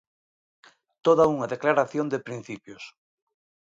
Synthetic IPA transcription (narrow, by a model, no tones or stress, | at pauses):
t̪oðauŋaðeklaɾaθjond̪epɾin̟θipjos